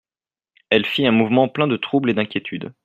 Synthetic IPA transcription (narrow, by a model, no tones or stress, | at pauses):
ɛlfiɛ̃muvmɑ̃plɛ̃d̪ət̪χubled̪ɛ̃kʲjet̪ʰyd̪